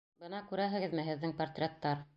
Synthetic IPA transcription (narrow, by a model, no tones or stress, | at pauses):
bɤnɑkʉɾæɦɘ̆ɡɘ̆ðmɘ̆ɦɘ̆ðːɘŋpɐrt̪rʲet̪ːɑɾ